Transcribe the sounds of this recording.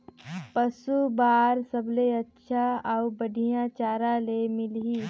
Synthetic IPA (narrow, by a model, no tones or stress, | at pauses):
pəsubaːɾsəbleɐtːʃʰaaʊbəɖʱijãt͡ʃaːɾalemɪlɦi